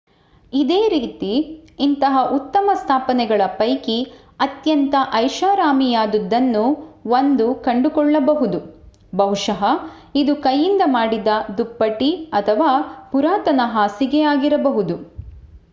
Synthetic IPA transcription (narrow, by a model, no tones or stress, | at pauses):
id̪eːɾiːt̪iːnt̪ɐɦɐʔut̪ːɐmɐst̪ʰaːpɐnɛɡɐɭɐpɐjki | ɐt̪jɐnt̪ɐʔɐjʃaːɾaːmijaːd̪ud̪ːɐnːuʋond̪ukɐɳɖukɔɭːɐbɐɦud̪u | bɐwʂɐɦɐ | id̪ukɐjːind̪ɐmaːɽid̪ɐd̪upːɐʈiɐt̪ʰɐʋaːpuɾaːt̪ɐnɐɦaːsiɡɛjaːɡiɾɐbɐɦud̪u